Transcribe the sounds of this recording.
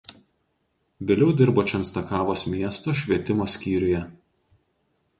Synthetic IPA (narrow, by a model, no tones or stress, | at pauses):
ʋʲeːlʲɛʊd̪ʲɪɾboːt͡ʃʲɛnst̪ɐkɑːʋoːsmʲiɛst̪oːʃʲʋʲiɛt̪ʲɪmoːsʲkʲiːɾʲʊjɛ